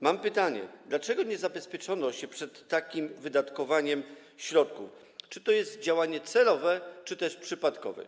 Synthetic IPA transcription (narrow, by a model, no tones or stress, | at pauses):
mampɘt̪aɲɛ̰d̪lat͡ʂɛɡɔɲɛzabɛspʲjɛt͡ʂɔnɔɕɛpʂɛt̪ːakʲimvɘd̪at̪kɔvaɲɛm | ɕɾɔt̪kuf | t͡ʂɘt̪ɔjɛst̪d͡ʑawaɲɛt̪sɛlɔvɛt͡ʂɘt̪ɛʂpʂɘpat̪kɔ̰vɛ̰